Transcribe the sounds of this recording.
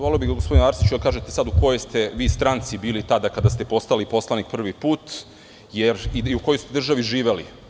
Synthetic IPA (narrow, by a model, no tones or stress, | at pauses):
ʋaloobiɡaɡospod̪inaɾsi̥t͡ʃud̪akaːʒet̪esad̪uko̞jest̪e̞ʋiːst̪ɾant̪sibiːlit̪ad̪akad̪ast̪epo̞st̪alipo̞slˠanik̚pr̩ʋipuːt̪ | jeɾiiuko̞josu̥t̪d̪r̩ʒaʋiʒiːʋe̞li